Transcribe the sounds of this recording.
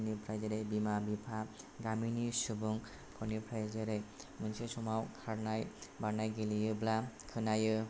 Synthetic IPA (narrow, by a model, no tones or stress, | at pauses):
nipʰɾajzaɾejbimabipʰa | ɡaminisɯbɯŋ | kʰɔnipʰɾajzɯɾej | mɯnsesɔmawkʰaɾnajbaɾnajɡelijɯblakʰɯnajɯ